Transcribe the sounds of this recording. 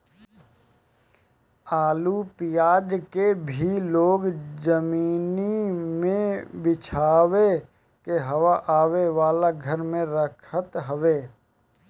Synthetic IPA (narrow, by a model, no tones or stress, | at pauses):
aːlupijaːd͡ʒkebʱiloːɡzəmiːnimẽbɪt͡ʃʰaːʋe | keɦɐʋaʔaːʋeʋaːlaɡʱəɾmẽɾəkʰət̪ɦəʋeː